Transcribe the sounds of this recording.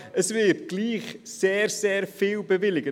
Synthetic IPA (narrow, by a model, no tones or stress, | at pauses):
əsvɪpɡ̥lˠiːχseːrsɛːrfiːlˠbəvɪlˠɪɡə